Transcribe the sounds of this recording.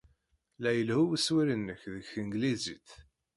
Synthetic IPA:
læjəlhuwəswiɾənːəçðəçəŋɡliziθ

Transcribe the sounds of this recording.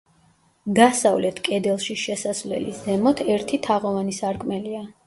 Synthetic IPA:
d̪asavlɛt̪ʰkʼɛd̪ɛlˠʃiʃɛsasvlɛ̰liszɛmɔt̪ʰɛɾt̪ʰit̪ʰaʁɔvanisaɾkʼmɛlia

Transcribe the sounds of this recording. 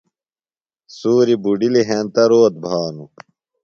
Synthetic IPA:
suːɾibuɖiliɦeːnt̪ɐɾoːt̪̚bʱaːnu

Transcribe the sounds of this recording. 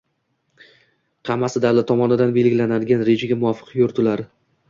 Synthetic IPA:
qʰɑmːasɪd̪awlɪt̪ʰːɒmɒnɪd̪anbe̞lɡʲɪlanad̪ɪɡʲanɾe̞d͡ʒaɡʲamʊɒfɨ̥qʰjoɾt̪ʰʊlaɾɪ

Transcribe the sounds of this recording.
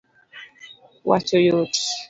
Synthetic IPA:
wa̰t͡ʃojot

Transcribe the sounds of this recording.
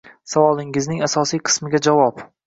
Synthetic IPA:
savɒlˠɪŋɪznɪŋasɒsijqʰɨ̥smɪɡʲad͡ʒavɒp

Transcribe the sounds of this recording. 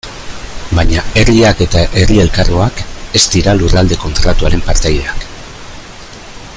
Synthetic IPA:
baɲae̞riake̞t̪aʔe̞rie̞lkaroake̞st̪iɾalurald̪e̞ko̞nt̪ɾat̪uaɾe̞mpaɾt̪aje̞ak

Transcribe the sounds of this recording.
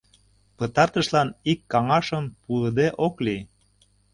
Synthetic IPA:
pət̪ɑrt̪ə̆ʃlɑnikːɑŋɑʃəmpuləd̪eʔokli

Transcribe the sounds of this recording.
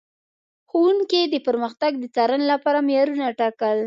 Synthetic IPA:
xowuŋked̪əpəɾməxt̪aɡ̚d̪ət͡sɑɾanelapɑɾamjɑɾunaʈɑkəl

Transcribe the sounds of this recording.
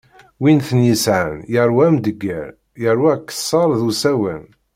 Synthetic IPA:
winθənjəsʕə̰njəɾwæmd̪əɡːə̰ɾ | jəɾˤwækːə̥sˤːɑɾˤðusæwæ̰n

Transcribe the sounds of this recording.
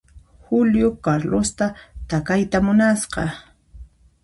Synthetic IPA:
hʊljʊkaɾlost̪at̪akajt̪amʊnasɢɑ̰

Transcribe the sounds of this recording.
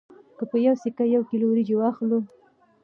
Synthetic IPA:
kəpəjawsikajawkilowɾid͡ʒowɑxlu

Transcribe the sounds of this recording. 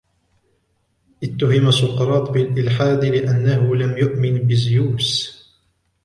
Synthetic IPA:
ʔɪt̪ːʊhɪmasʊqɾˤɑːt̪ˤbɪlʔɪlħaːd̪lɪʔanːaɦʊlamjʊʔmɪnbɪzjuːs

